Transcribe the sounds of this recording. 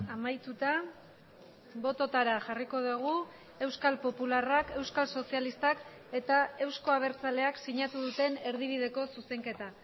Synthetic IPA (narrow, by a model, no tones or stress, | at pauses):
amajt̪ut̪a | βo̞t̪o̞t̪aɾaʝariko̞ðuɣ̞u | e̞wskalpo̞pularake̞wskalso̞sialist̪ak | e̞t̪ae̞wsko̞aβ̞e̞ɾt͡sale̞aksiɲat̪uðut̪e̞ne̞ɾðiβ̞ið̞e̞ko̞suse̞ŋke̞t̪a